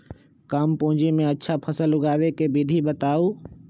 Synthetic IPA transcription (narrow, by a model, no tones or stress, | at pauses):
kɐmpʊ̃ɦɪ̃d͡ʒimẽɐtːʃʰapʰəsəlʊɡaːʋekebid̪ʱibət̪aːuː